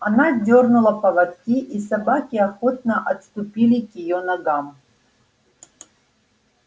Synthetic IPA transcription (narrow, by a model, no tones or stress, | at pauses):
anadʲornulˠɐpɐvɐt̪kʲiʔisabakʲiɐxot̪̚nəʔɐt̪st̪upʲilʲikɪjonɐɡam